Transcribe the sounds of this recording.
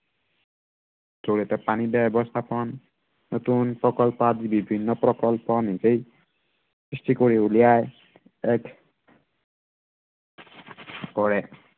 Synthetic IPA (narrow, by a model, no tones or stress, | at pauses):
zoɹiɛt̪ɛpanibɛbɔst̪ʰapɔnː | ot̪unpɹɔkɔlpɔad̪ibibʱinːɔpɾɔkɔlpɔnizej | sɹistikoɹiulijaj | ɛkʰ | kɔɹɛ